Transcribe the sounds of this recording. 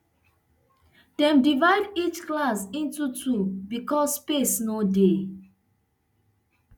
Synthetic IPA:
d̥ɛ̃mdivaɪdit͡ʃklasĩntutʰubikɔsːpesnode

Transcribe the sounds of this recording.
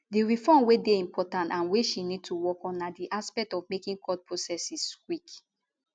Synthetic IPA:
diɹifɔ̃mwedeĩmpʰɔtãntãnweʃinid̚tʰuwɔkɔ̃nːadiʔaspɛk̚tɔvmekĩŋkʰɔd̚pʰɹosɛsiskwik

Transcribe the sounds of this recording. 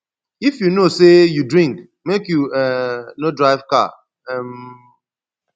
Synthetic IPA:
ifjunosejudɹĩŋk | mekjuɛnodɹaɪvka̰ | ɛm

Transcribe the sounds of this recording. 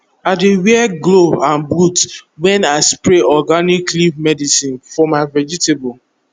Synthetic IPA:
adewiɛɡloãnbutwɛ̃naspɾeɔɡaniklimɛdisĩnfɔmaɪvɛd͡ʒitebɔ

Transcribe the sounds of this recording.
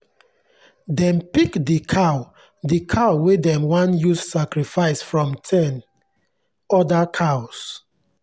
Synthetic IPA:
dɛ̃npikdikʰaʊ | dikʰaʊwedɛ̃mwãnjussakɹifaɪsfɹɔ̃mtʰɛ̃n | ɔdakʰaʊs

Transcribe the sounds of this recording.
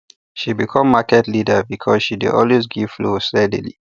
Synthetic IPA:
ʃibikʰɔ̃mːakɛtlidəbikʰɔsʃidɪ̰dɔ̰lwez̬ɡiv̥flostɛdḭlḭ

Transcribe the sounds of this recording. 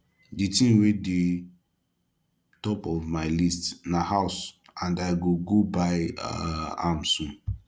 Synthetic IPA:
ditĩmwede | tɔpɔvmaɪlistnahaʊs | ãndaɪɡoɡobaɪaã̰msũn

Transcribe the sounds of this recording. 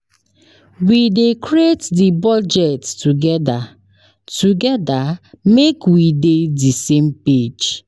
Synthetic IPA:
widekɹietdibɔd͡ʒɛttuɡɛda | tuɡɛdamekwidedisẽmped͡ʒ

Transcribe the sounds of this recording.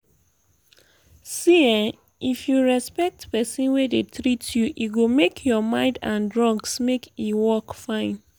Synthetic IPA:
siãn | ʔifjuɹɛspɛk̚tpɛsĩnwedetɹitjuʔiɡomekʰjɔmãɪ̃ndãndɹɔ̃ŋɡsmekiwɔkfãɪ̃n

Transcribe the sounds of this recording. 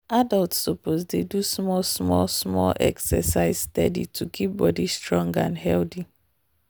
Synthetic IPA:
adaltssopozdedusmɔlsmɔsmɔ̰lʔɛ̰ksɛsaɪzstɛdḭtʰukʰip̚bɔdistɹɔ̃ŋɡãnɦɛldi

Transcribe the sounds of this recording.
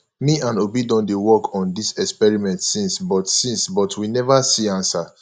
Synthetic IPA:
miãnobidɔ̃ndewɔkʰɔ̃ndisɛkspɛɹimɛ̃ntsĩnsbɔtsĩnsbɔtʰwinɛvasiãnsa

